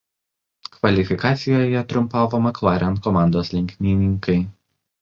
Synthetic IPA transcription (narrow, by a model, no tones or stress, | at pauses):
kʋɐlʲɪfʲɪkɑːt̪sʲɪjoːjɛt̪ɾʊmpɑːʋomɐklˠɑːɾʲɛnt̪̚kɔmɑˑnd̪oːslʲɪŋʲkʲnʲɪnʲɪŋkɐɪ